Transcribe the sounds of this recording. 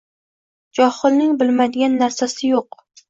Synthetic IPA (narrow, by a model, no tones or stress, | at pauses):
d͡ʒɒhɨlˠnɪŋbɪlmad̪ɪɡʲanːaɾsasɪjoq